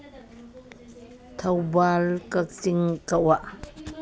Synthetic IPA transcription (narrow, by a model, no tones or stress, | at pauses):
t̪ʰɐwbalkat͡siŋkawaʔ